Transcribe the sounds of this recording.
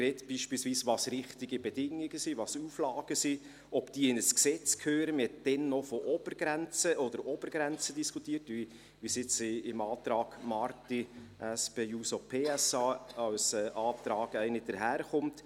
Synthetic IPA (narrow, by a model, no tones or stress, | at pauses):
kɾɛːtb̥iːʃpiːlsviːsʋɑsɾɪχtɪɡibɛdɪŋɪɡəsivɑsuːflɑːɡ̥əsi | ɔb̥d̥iːɪnəsksɛt͡skʰøːɾəmhɛt̚d̥ɛnːɔfɔʔɔb̥əɾɡɾɛnt͡səʔɔd̥əɾɔb̥əɾɡɾɛnt͡sədiskʰutiːɾtʋi | ʋisɪt͡sɪmɑːt̪ɾɑːɡ̥mɑɾtiʔæspeuːsɔpʰeːɛsɑːɑwsɛːʔɑːt̪ɾɑːɡ̥æɪnɪd̥əɾɦæːɾχʊmt